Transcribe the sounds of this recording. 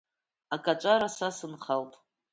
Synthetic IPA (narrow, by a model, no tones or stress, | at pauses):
akʼat͡ʃʷʼaɾasasɨnχaltʼ